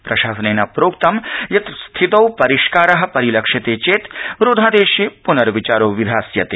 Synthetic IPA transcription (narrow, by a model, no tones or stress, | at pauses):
pɾɐʃaːsɐneːnɐpɾoːkt̪ɐmjɐt̪st̪ʰit̪ɐwpɐɾiʃkaːɾɐɦɐ̆pɐɾilɐkʃɐt̪eːt͡ʃeːt̪ʋɾoːd̪ʱaːd̪eːʃjepunɐɾʋit͡ʃaːɾoːʋid̪ʱaːsjɐt̪eː